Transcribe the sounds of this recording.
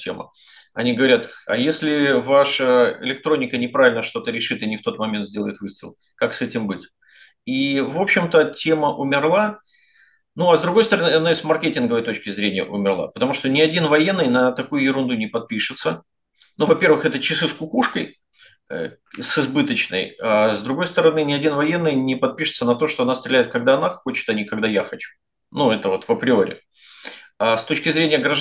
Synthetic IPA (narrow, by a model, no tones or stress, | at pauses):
tʲḛmə̰ | ɐ̰nʲiɡəvɐɾʲat̪ɐ̰jesʲlʲɪvaʂəɪ̰lʲɪk̚t̪ɾonʲɪkənʲɪpɾavʲɪlʲnəʂt̪o̞t̪əɾʲɪʂɨt̪ɨnʲɪft̪o̞t̪mɐmʲent̪zʲdʲelˠəɪt̪vɨst̪ɨ̰lˠ | kaksɛtʲɪmbɨtʲ | ivo̞pɕːɪmt̪ətʲe̞məʔʊmʲɪrlˠa | nuɐzd̪ɾʊɡost̪əɾɐnɨɐnaɪsmɐrkʲetʲɪnɡəvəjt̪o̞t͡ɕkʲɪzɾʲenʲɪjə̰ʔʊmʲɪrlˠa̰pə̥t̪ɐmuʂt̪onʲɪɐdʲinvɐjenːɨjnət̪ɐkujʊjɪɾʊnd̪unʲɪpɐt̪̚pʲiʂɨt̪sə | nuvɐpʲe̞rvɨxɛt̪ət͡ɕɪsɨskʊkuʂkəj̰ | sɨzbɨt̪ət͡ɕnə̰jazd̪ɾʊɡo̞jst̪əɾɐnɨnʲɪɐdʲinvɐje̞nːɨjnʲɪpɐt̪̚pʲiʂɨ̥t̪sənɐt̪o̞ʂt̪o̞ɐnafst̪ɾʲɪlʲɛɪt̪̚kɐɡ̚d̪aɐnaxot͡ɕɪ̥t̪ɐnʲikɐɡd̪ajaxɐt͡ɕu̥ | nuɛt̪əvo̞t̪vəpɾʲɪo̞ɾʲɪ̰ | ast̪ot͡ɕkʲɪzɾʲenʲɪjəɡɾɐ